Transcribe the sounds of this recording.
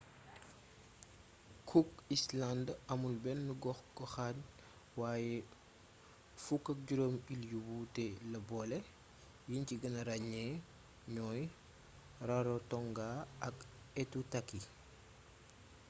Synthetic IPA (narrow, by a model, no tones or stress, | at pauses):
kʰuk̚islandɐmulbɛnːuɡɔxɡɔxat | waːjɛ | fukːɐk̚ɟuɾomiljubutɛlɐbɔlɛ | jinciɡɐnɐɾaɲɛ | ɲɔːj | raɾotɔŋɡaɐk | ɛtutakːi